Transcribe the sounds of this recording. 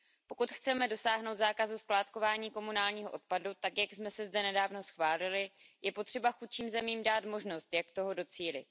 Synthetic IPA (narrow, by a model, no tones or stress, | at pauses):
po̞kut̪xt͡sɛmɛdo̞saːɦno̞wt̪zaːkazusklaːt̪ko̞vaːɲiːko̞munaːlɲiːɦoʔo̞t̪̚padut̪akjaɡsmɛsɛzdɛnɛdaːvno̞sxvaːlɪlɪjɛpo̞t̪r̥ɛbaxut̪t͡ʃiːmzɛmiːmdaːt̪mo̞ʒno̞st̪jakt̪o̞ɦodo̞t͡siːlɪ